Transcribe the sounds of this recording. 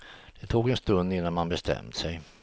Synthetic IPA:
d̪̥ɛt̪ʰoːɡɛnst̪ɵnd̪ɪnːanmanbɛst̪ʰɛ̰mt̪sɛj

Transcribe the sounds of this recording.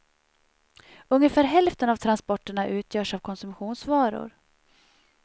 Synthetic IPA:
ɵŋːəfæːɾɦɛlft̪ənavt̪ʰɾanspɔʈːəɳaʔʉ̟ːt̪ʰjœːʂavkʰɔnsɵmɧuːnsvɑːɾʊ̰ɾ

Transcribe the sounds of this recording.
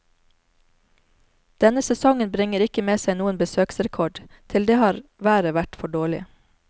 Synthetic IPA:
d̪̥ɛnəsɛsɔŋənbɾɪŋəɾɪkəmeːsæɪnuːənbəsøːksɾɛkʰɔɖt̪ʰɪld̪eːhɑːɾʋæːɾəʋæʈfɔɖoːɭɪ̰

